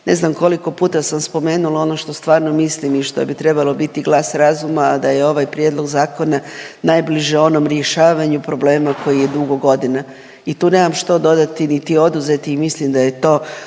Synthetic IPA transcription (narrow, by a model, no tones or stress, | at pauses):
neznamko̞liko̞puːt̪asamspo̞me̞ːnulˠao̞no̞ʃt̪o̞st̪ʋaːɾno̞mislimiʃt̪o̰bit̪ɾe̞balˠo̞bit̪iɡlˠaːsɾazumaːd̪ajeo̞ʋajpɾjed̪lˠo̞ɡzaːko̞nanajbliʒeo̞nomɾjeʃaːʋaɲupɾo̞ble̞ːmako̞jije̞d̪uɡo̞ɡo̞d̪ina | it̪uːne̞ːmamʃt̪o̞d̪o̞d̪at̪init̪io̞d̪uze̞t̪iːmislimd̪ajet̪o̞ː